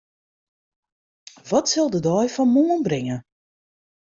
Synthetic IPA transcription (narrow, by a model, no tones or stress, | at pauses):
ʋɔtsɪlˠdədɔjfɔnmoənbrɪŋə